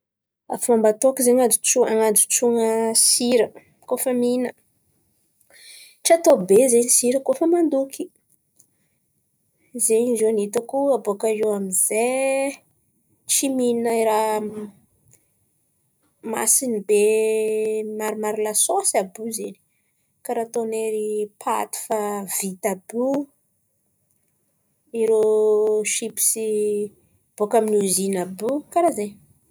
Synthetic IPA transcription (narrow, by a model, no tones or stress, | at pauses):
a̰fumambat̪okizeɲad͡ʒut͡ʃuaŋad͡zut͡ʃuŋəsiɾə | kofəminə | ʈ͡ʂat̪obezeɲisiɾəkofəmand̪ukʰi | zeɲizoanit̪akuabokaɾewamize | t͡ʃimiinaiɾa | ma̰sinibe | naɾmaɾilasosabuzeni̥ | kaɾat̪oneɾipʰa̰t̪i̥favit̪abu | iɾoʃipi̥si | ab̥okaminuzinabukaɾaze